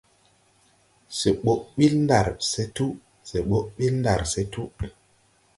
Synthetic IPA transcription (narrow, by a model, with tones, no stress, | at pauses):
se˨ɓo˦ʔɓi˦lnda̰˨ɾse˦tu˦ | se˨ɓo˦ʔɓi˦lnda˨ɾse˦tu˦